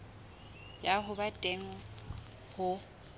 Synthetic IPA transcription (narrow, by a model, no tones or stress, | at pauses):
jaɦʊbatʼeŋ̩ | hʊ